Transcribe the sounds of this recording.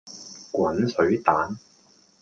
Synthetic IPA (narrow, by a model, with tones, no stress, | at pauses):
kʷwɐ˨˥nsɵ˨˥ɥt̪aː˨˥n